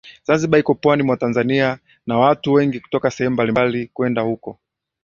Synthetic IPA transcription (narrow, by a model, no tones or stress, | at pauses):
z̥anziɓaikɔpwanimwatanzania | nawatuwɛŋɡiku̥tɔkasɛhɛmumbalimbalikwɛndahukɔ